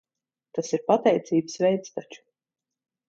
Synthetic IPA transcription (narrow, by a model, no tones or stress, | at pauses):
t̪asiɾpat̪ɛjt̪siːbsvɛjt̪st̪at͡ʃu̥